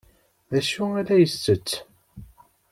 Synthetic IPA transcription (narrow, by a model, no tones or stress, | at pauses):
ðæʃuælæjəsːət͡sː